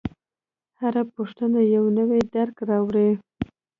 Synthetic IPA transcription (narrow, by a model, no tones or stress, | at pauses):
haɾapoʂt̪ənajawnəwed̪aɾkɾɑwɽi